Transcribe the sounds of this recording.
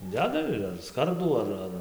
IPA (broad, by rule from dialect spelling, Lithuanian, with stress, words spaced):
ˈdʲæːdɐ ɪr ɐr ˈskɐrduː ɐr ˈɐr